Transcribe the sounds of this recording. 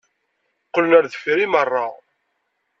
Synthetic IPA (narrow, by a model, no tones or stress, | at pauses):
qːələnæɾðəfɾimərˤːɑ